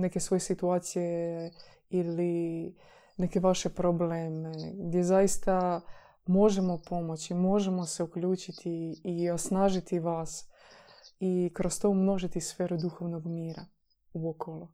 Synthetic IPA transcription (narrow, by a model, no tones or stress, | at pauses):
nekesʋo̞jesit̪uaːt̪sije | ili | ne̞ke̞ʋaʃe̞pɾobleːmeɡd̪je̞zajist̪a | mo̞ʒemo̞po̞mot͡ɕimo̞ʒemo̞se̞uklʎuːt͡ʃit̪ʰiːosnaːʒit̪iʋaːs | ikɾo̞st̪o̞mno̞ʒit̪isfeːɾud̪uxo̞ʋnoɡmiːɾa | uokolˠu